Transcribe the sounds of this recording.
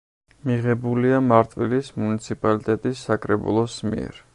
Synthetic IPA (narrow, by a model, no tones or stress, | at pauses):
miʁɛbuliamaɾt̪ʼwilismunit̪sʰipʼalit̪ʼɛt̪ʼisːakʼɾɛbṵlˠɔsmḭɛ̰ɾ